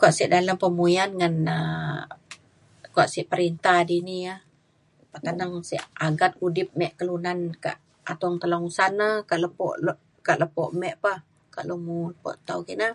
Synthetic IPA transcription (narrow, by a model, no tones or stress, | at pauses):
kuaʔsiʔdaləmpəmuianŋanə | kuaʔsiʔpəɾint̪ahdiniah | paʔt̪anaŋsḭʔaɡat̪̚udɪp̚mɛʔkəlunanka̰ʔ | at̪ŋt̪əloŋsanəkaʔləpɔ̰ʔ | kaʔləpɔʔmɛʔpah | ka̰ʔlumuləpɔ̰ʔt̪aukiʔna